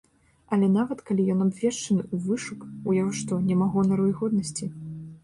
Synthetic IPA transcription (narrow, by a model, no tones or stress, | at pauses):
ɐlʲɛnavɐt̪kalʲijɔnabvʲɛʂt͡ʂɐnɨuvɨʂukujaɣɔʂt̪ɔnʲɛmaɣɔnɐɾujɣɔd̪̚nɐsʲt͡sʲi